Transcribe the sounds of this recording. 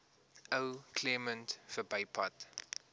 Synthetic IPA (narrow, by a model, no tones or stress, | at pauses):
ʔəwkʰlɛməntfəbɐɪpʰɔ̰t